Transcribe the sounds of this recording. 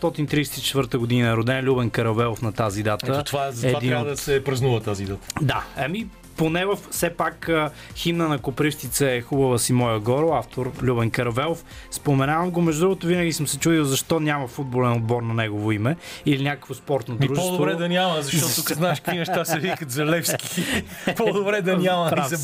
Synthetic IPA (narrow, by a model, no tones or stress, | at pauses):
st̪ɔt̪int̪ɾiːsɛ̥t̪i̥t͡ʃɛ̥t̪vəɾt̪əɡod̪inəɛɾod̪ɛnlʲubɛnkɐɾɐvɛlˠofnɐt̪azid̪at̪ət̪ovazɐtɛvad̪inɾaod̪ɐsɛpɾɐznuvət̪azid̪at̪ə̥d̪aɐmi | ponɛvəfsɛpakə | ximnənɐkopɾiʃt̪it̪səɛxubəvəsimɔjəɡɔɾoaft̪ʰoɾlʲubɛnkɐɾɐvɛlˠof | spomɛnavɐmɡomɛʒd̪ud̪ɾuɡʊt̪ʊvinəɡisəmsɛt͡ʃud̪iwˠzɐʃt̪ɔnʲamɐfud̪̚bolɛnod̪̚bɔɾnɐnɛɡovoimɛilinʲakə̥kvospɔɾt̪nod̪ɾuʒɛsɔd̪ovβɾɛd̪ɐnialˠɐ̃zɐʃt̪ɔt̪uznaʃkimɐʃt̪asɐvikɐt̪zɐɾlˠɛfski̥pɔd̪obɾɛd̪ɐialˠɐ̃ɾas